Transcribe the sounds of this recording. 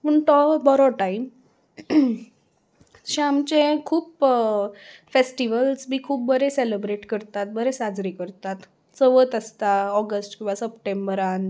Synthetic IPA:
pəɳʈ̪ɔbɔɾɔʈaim | ɕamt͡ɕẽkʰuːp | fesʈiʋəlsbiːkʰuːp̚bəɾeselebɾeʈkəɾt̪at̪̚bəɾesad͡zɾikəɾt̪at̪ | t͡səʋət̪əst̪aɔɡəsʈkĩw̃ʋasəpʈembəɾan

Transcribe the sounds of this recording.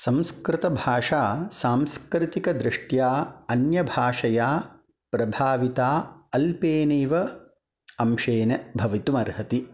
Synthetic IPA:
sɐ̃mskɾɪt̪ɐbʱaːʂaːsaːmskɾɪt̪ikɐd̪ɾɪʂʈjaːɐnjɐbʱaːʂɐjaː | pɾɐbʱaːʋit̪aːɐlpeːneːʋɐ | ɐmʃeːnɐbʱɐʋit̪umɐɾɦɐt̪i

